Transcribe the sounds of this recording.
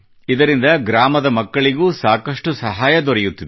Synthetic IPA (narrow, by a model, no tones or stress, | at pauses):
id̪ɐɾind̪ɐɡɾaːmɐd̪ɐmɐkːɐɭiɡuːsaːkɐʂʈusɐɦaːjɐd̪ɔɾɛjut̪ːid̪e